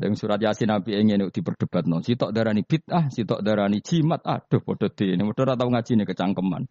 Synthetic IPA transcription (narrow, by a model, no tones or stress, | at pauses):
əŋsuɾat̪jasinapieŋeneud̪̥ipərd̥əb̥at̪̚nɔsit̪ɔʔd̪aɾanib̥it̪̚ahsit̪ɔʔd̪aɾani̥d͡ʒ̥imat̪̚a̰d̥ʊhpɔd̥ɔt̪inemɔd̥ɔɾat̪auŋad͡ʒ̥inekət͡ʃaŋkəma̰n